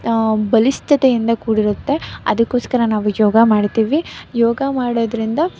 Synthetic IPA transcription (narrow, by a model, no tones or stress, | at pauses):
bɐlist̪ʰɐt̪ejind̪ɐkuːɽiɾut̪ːe̞ɐd̪ɐkːoːskɐɾɐnaːʋujɔːɡɐmaːɽt̪iːʋijoːɡɐmaːɽoːd̪ɐɾind̪ɐ